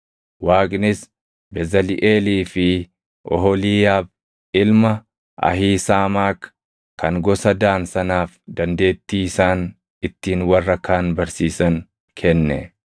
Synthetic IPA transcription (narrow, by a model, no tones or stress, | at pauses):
waːkʼnɪs | bɛzɐlɪʔeːliːfɪ | ʔɔ̰ɦɔliːjaːb | ɪlmɐ | ɐ̰hiːsaːmaːk | kɐŋɡɔsɐd̪aːnsɐnaːfd̪ɐnd̪e̞ːt̪ːiːɪsaːn | ɪt̪ːiːnwɐrːɐkːaːnbɐɾsiːsɐn | kʰɛnːɛ̰